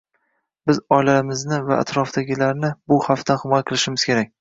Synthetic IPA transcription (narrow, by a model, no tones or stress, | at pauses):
bɪzɒjlaɾɪmɪznɪvaa̰t̪ɾɒfd̪aɡʲɪlaɾnɪbʊhaft̪ʰanχɪmɒjaqʰɨlˠɪʃɪmɪz̥kʲʰe̞ɾak̚ʲ